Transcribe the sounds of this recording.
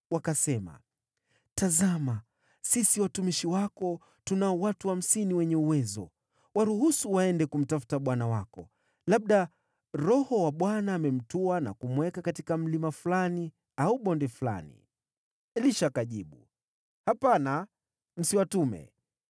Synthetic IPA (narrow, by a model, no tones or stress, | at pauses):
wakasɛma̰ | tazama | sisiwatumiʃiwakɔ | tunaɔwatuham̩siniwɛɲɛuwɛzɔ̰ | waɾuhusuwaɛndɛkum̩tafu̥taɓwanawakɔ̰ | laɓ̚ɗa | ɾɔhɔwaɓwanaːmɛm̩tuana̰kumwɛkakatikam̩limafulani | auɓɔndɛfula̰nḭ | liʃakaʄiɓṵ | hapana | m̩siwatumɛ̰